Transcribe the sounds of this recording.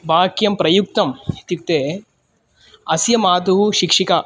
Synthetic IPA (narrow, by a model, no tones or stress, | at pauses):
baːkjɐmpɾɐjuk̚t̪ɐmt̪ik̚t̪eː | ɐsjɐmaːd̪uɦuʃikʂika